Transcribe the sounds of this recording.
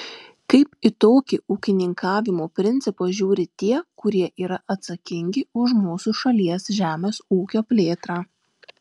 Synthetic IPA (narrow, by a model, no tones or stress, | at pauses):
kɐɪpɪt̪oːkʲɪuːkʲɪnʲɪŋkʰɑːʋʲɪmoːpʲɾʲɪnʲt̪sʲɪpoʒʲuːɾʲɪt̪ʲiɛkʊɾʲiɛʔiːɾɐʔɐt̪sɐkʲɪŋʲɡʲɪʊʃmuːsʊʃɐlʲiɛsʒʲæːmʲeːsuːkʲoːpʲlʲeːt̪ɾɑː